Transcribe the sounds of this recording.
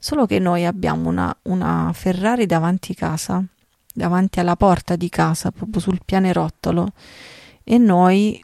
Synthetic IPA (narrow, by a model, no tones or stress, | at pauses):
soːlokenːojabːja̰ːmona̰una̰ferːaːɾid̪avant̪ʰikaːza | d̪avant̪ialːapɔrt̪ad̪ikaːzapɾɔːpjosulpjaːneɾɔt̪ːolo | enːoj